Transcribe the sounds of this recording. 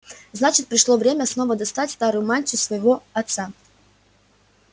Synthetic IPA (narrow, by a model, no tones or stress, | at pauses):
znat͡ɕɪt̪̚pɾʲɪʂlˠovɾʲemʲəsno̞vəd̪ɐst̪atʲst̪aɾʊjʊmanʲt͡ɕʲʊsvəjɪvo̞ɐt̪sa